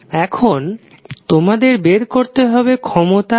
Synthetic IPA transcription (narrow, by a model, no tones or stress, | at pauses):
ɛkʰon | t̪omad̪eɾbeɾkoɾt̪eɦɔbekʰɔmot̪a